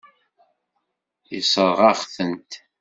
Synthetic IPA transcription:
isˤəɾˤʁɑχθənt̪

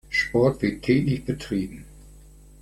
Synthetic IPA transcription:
ʃpɔɐtv̥ɪɐtʰːɛːklɪçb̥ətʁ̥iːbm̩

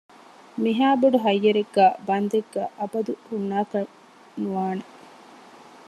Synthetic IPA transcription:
miɦaːboɖuɦɐjːɐɾeɡːæːbɐnd̪eɡːæːʔɐbɐd̪uhunːaːkɐ | nuʋaːne

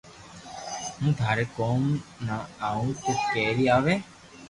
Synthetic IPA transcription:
ɦũːt̪ʰaːɾeːkoːmnaːaːũːt̪eskeːɾiːaːʋeː

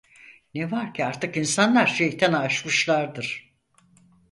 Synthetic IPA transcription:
nevaɾcʰiaɾt̪ʰɯkinsanlˠaɾʃejt̪ʰɛnːʃmɯʃlˠaɾd̪ɯɾ̥

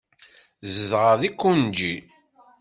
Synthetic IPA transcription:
zəðʁəðikːund͡ʒi

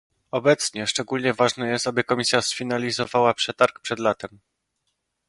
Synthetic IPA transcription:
ɔbɛt̪sɲɛʂt͡ʂɛɡulɲɛvaʐnɛjɛst̪abɘkɔmʲisʲjasfʲinalʲizɔvawapʂɛt̪aɾkpʂɛd̪lat̪ɛm

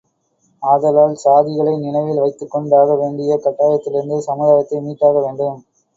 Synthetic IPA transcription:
aːðɐlaːlsaːðɪɣɐɭɐɪnɪɳɐɪʋɪlʋɐɪt̪ːɯkːɔɳɖaːɣɐʋeːɳɖɪjɐkɐʈːaːjɐt̪ːɪlɪɾɯnd̪ɯsɐmuðaːjɐt̪ːɐɪmiːʈːaːɣɐʋeːɳɖɯm

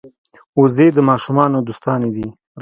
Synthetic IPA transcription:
ozed̪əmɑːʃumɑːnod̪ust̪ɑːned̪i | ɾ

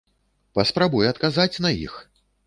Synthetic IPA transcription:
pɐspɾabujɛɐt̪̚kazat͡sʲnɐḭx

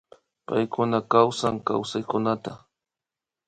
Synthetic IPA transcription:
pa̰jkʊnakawsaŋka̰wsajkʊnat̪a

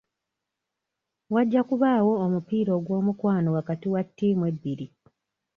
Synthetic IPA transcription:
waɟːakuβaːwoːmupiːɾo̞ːɡwo̞ːmukwaːnowakatiwatːiːmwebːiɾi

